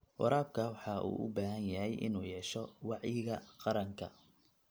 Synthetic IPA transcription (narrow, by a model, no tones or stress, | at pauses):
wʔɑ̰ɾaːb̚kʰɐwɑħɑʔṵːʔʊ̰baːɦɐnjɐɦɛjʔɪ̰nuːjɛːʃɔwɑʕjɪɣɐqɑɾɐŋkʰɐ̰